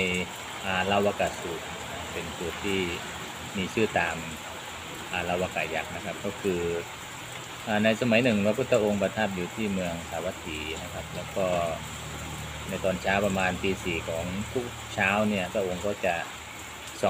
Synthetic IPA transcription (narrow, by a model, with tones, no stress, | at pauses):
j | ʔaː˨˩la˧˨wʔaː˧˩kaː˨˩suː˨˩k̚n˧a˧˩pe˨nsu˧˩t̪ʰːiː˥˩ | miː˧sɯː˥˩t̪aː˨˧m | ʔaː˨˩la˧˩wʔa˧˩kaː˨˩ja˦˥k̚na˧kʰa˦˥p̚kɔː˥˩kʰɯː˧ | ʔaː˨˧˩na˧jsa˧ma˨˦jnɯ˨˩ŋpʰa˧pʰu˧˥t̪ʰːa˧ʔo˧ŋpa˧t̪ʰa˦˥˩p̚juː˨˧t̪ʰiː˥˩mɯ˧əŋsaː˨˩wa˧˥t̪ʰːiː˨˦na˧kʰa˧˥p̚lɛː˦˧˥wkɔː˧˥˩ | na˧˩jt̪ɔː˨˩nt͡ɕʰaː˦˥wpa˧maː˧nt̪iː˧siː˨˩kʰɔː˩˦ŋt̪ʰu˦˥˩k̚t͡ɕʰaː˦˥˨wni˥˧˩ɐpʰa˧ʔo˧ŋkɔː˥˩t͡ɕa˨˩ | sɔ˨˦